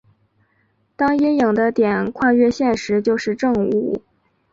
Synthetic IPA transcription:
t̪ɑ˥ŋji˥njɤ˨˩ŋd̪ə˦t̪jɛ˨˩nkʰwa˥˧ɥɛ˥˧ɕjɛ˥˩nʂɻ̩˧˥t͡ɕjo˥˧ʊʂɻ̩˥˧ʈ͡ʂɤ˥˧ŋu˨˥˩

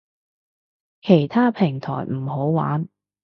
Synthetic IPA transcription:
kʰe˨˩jt̪ʰaː˥pʰɪ˨˩ŋt̪ʰɔ̰ː˨˩jm̩˨˩ho˨˥wwa̰ː˨˥n

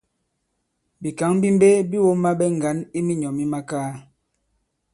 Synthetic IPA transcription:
bi˨ka˨˦ŋbi˦m˦be˦bi˦wo˦mːa˦ɓɛ˦ŋ̩˨ɡa˨˦ni˦mi˦ɲɔ˨mi˦ma˦kaː˦

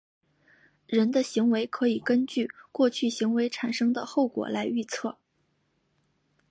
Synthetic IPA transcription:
ɻə˧˥nd̪ə˧ɕi˧˥ŋwe˧˥ɪkʰɤ˧˥i˨˩kə˥nt͡ɕy˥˩kwɔ˥˧t͡ɕʰy˥˩ɕi˧˥ŋwe˧˥ɪʈ͡ʂʰa˨˩nʂɤ˥ŋd̪ə˨xo˥˩ʊkwɔ̰˨˩la˧˥ɪy˥˧t͡sʰɤ˥˩

